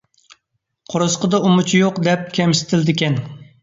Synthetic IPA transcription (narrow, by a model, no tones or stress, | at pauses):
qʰoɾɨsqəd̪ɑumʊt͡ʃʰijoqd̪ɛp̚kʲʰɛmsɪ̥t̪ʰɪld̪ɪkʲɛn